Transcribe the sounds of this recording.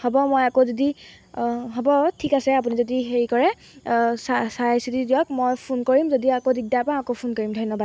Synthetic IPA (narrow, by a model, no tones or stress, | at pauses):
hɔbɔmojakozodi | ɦɔbɔtʰikasɛapunizodixeɹikɔɹɛ | sasaajsitidiɔk̚mojpʰunkoɹimzodiakodiɡdapãakopʰunkoɹimdʱɔjnːɔbad